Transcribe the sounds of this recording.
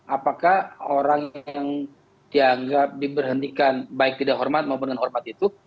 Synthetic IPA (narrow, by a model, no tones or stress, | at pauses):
apakahoɾaŋaŋ | d̥iaŋɡap̚dibərɦənt̪ikanbaɪk̚t̪idaʔɦɔrmat̪̚maup̬ʊnkanɦɔrmat̪̚it̪u